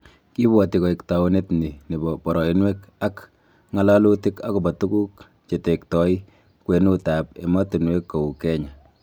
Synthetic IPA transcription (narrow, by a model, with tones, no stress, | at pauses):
ki˦bwɔ˨ti˨kɔ˨i˨kta˨u˦ne˦tni˨ni˨bɔ˨pɔ˨ɾɔ˨i˦nweka˦k | ŋa˦la˦lu˦ti˦ka˦ku˨bɔ˨tu˦ku˦k | t͡ʃe˨te˨k̚tɔ˨i | kwe˨nu˦ta˨p̚ḛ˨ma˦tu˨nwe˦kːɔ˨u˨kɛ˦ɲa˨